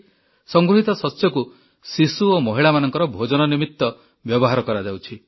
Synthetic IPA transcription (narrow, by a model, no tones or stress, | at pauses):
sɔŋɡɾuɦit̪ɔsɔsjɔku | sisuomɔɦiɭamanɔŋkɔɾɔbʱod͡ʒɔnɔnimit̪ːɔ | bjɔbɔɦaɾɔkɔɾad͡ʒawt͡ʃʰi